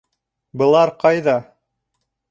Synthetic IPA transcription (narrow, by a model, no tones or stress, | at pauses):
bɤ̆lˠɑɾqɑjðɑ